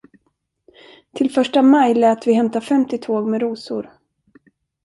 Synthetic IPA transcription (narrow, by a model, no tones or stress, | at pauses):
t̪ʰɪlfœʂʈamajlɛːt̪vɪhɛmt̪afɛmt̪ɪt̪ʰoːɡmɛɾuːsʊ̰ɾ